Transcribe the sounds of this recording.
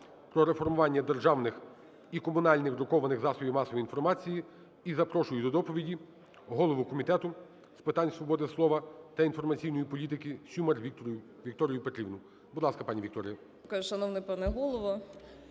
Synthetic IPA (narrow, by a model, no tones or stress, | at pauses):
pɾɔɾefɔrmʊʋɑnʲːɐd̪erʒɑwnɪx | ikɔmʊnɑlʲnɪxɾʊkɔʋɐnɪɣzɑsɔbʲimɑsɔʋiinfɔrmɑt͡sʲiji | izɐpɾɔʃʊjʊd̪ɔd̪ɔpɔʋʲidʲi | ɦɔlˠɔʋʊkɔmʲit̪ɛt̪ʊ | spɪt̪ɑnʲsʋɔbɔd̪ɪslˠɔʋɐt̪ɐinfɔrmɐt͡sʲijnɔjipɔlʲit̪ɪkɪsʲumɐrʋʲijʊ | ʋʲikt̪ɔɾʲijʊpet̪ɾʲiʋnʊ | bʊd̪lˠɑskɐpɑnʲiʋʲik̚t̪ɔɾʲɪjɐ | kaʒʃɐnɔwnɛpɑnɛɦɔlˠɔʋɔ